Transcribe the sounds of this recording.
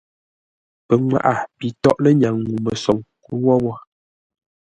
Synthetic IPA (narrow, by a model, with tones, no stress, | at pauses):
pə˨ŋwa̰˨ʔa˨pi˨tɔ˦ʔlə˦ɲa˨ŋːu˨mə˨sɔ˨ŋku˦wɔ˦bɔ˦